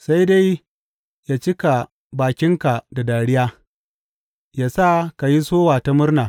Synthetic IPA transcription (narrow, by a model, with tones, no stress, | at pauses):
sa˦jda˦j | jaː˦t͡ʃɪ˦ka˨ | baː˨kʲɪ˦ŋka˨da˨daː˨ɽɪ˦jaː˦ | jaː˦sa˦˨ka˨ji˦soː˦waː˨ta˦mʊ˦rna˨